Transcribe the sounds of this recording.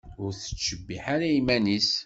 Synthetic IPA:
ʊɾθə̥t͡ʃːəbːiħaɾæimænis

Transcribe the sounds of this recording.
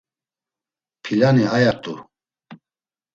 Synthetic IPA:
pʰilaniajat̪ʼu

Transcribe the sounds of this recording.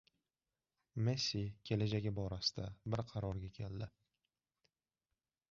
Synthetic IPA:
mesikʲʰe̞lad͡ʒaɡʲɪbɒɾasɪ̥d̪abɪɾqʰɑɾɒɾɡʲakʲʰe̞ld̪ɪ

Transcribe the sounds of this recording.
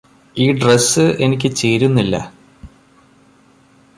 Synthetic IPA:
iːɖresːɨe̞nik̬ʲːɨt͡ɕe̞ːɾunːilːɐ̰

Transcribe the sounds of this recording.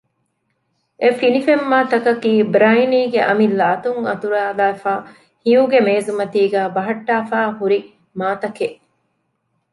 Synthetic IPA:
ʔefinifemːaːt̪ɐkɐkiːbɾainiːɡeʔɐmilːɐːt̪uŋɐ̰t̪uɾaːlæːfaː | hijuɡemeːzumɐt̪iːɡæːbɐɦɐʈːaːfaːhuɾi | maːt̪ɐkeʔ

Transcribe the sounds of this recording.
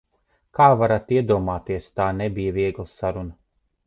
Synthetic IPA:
kaːvaɾat̪iɛd̪uɔmaːt̪iɛst̪aːnɛbijɐviɛɡlˠasaɾuna

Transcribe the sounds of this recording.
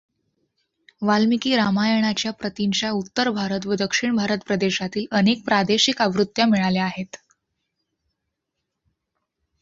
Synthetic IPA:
ʋalmikiːɾamajəɳ̃at͡ɕjapɾət̪iɲt͡ɕjaut̪ːəɾbʱaɾət̪ʋəd̪əkʂiɳbʱaɾət̪pɾəd̪eɕat̪iːlənek̚pɾad̪eɕikaʋɾut̪jamiɭaleaɦet̪

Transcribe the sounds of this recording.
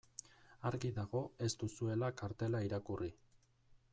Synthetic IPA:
aɾɣiðaɣo̞e̞st̪usue̞lakaɾt̪e̞laiɾakuri

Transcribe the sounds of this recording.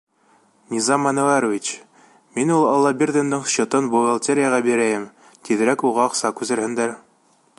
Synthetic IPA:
nʲizɑmɑnŏvɑɾovʲit͡ɕ | minulˠɑlˠːɑbʲirʲd̪ʲend̪ɤɴsɕŏt̪ɤnbolˠolˠt̪ʲeɾʲɪjaʁɑbiɾæjɘm | t̪iðɘ̆ɾækuʁɑoqsɑkʉzɘ̆ɾhɘ̆nd̪æɾ

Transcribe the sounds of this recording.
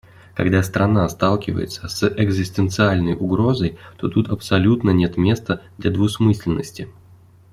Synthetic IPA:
kɐ̰ɡd̪ast̪ɾɐnast̪alˠkʲɪvə̰jɪ̰t̪səsʔɛɡzʲɪsʲt̪ɨnt̪sɨalʲnəjʊɡɾo̞zəjt̪o̞t̪ut̪ɐpsɐlʲut̪nənʲe̞t̪mʲe̞st̪əd̪lʲɐd̪vʊsmɨsʲlʲɪnːəsʲtʲɪ

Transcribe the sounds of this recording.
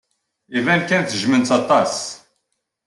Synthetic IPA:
ivænkænθʒmənt͡sɑt̪ˤɑs

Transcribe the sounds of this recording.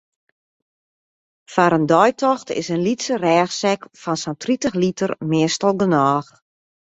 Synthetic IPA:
faɾəndɔjtʰɔxtɪ̰sənlitsərɛːxsɛkfɔnsontritəxlitərmɪəstəlˠɡənɔːx

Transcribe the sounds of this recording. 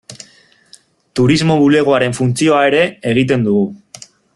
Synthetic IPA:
t̪uɾizmo̞βule̞ɣ̞oaɾe̞ɱfunt͡sio̞ae̞ɾe̞eɣ̞it̪̬e̞nd̪uɣu

